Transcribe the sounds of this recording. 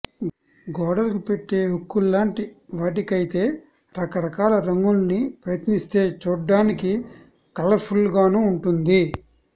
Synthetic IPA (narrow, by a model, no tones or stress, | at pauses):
ɡɔːɽɐlkupeʈːe̞ːɦukːulːaːɳʈiʋaːʈikɐjit̪e̞ː | ɾɐkɐɾɐkaːlɐɾɐŋɡulɐnipɾɐjɐt̪nist̪e̞ːt͡ʃuːɖːaːniki | kɐlɐpʰulːɡaːnuːɳʈund̪i